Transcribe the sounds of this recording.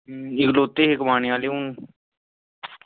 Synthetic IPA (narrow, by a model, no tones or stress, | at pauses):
ɪkloːt̪ːeːɦɪkmaːɳiaːleːũː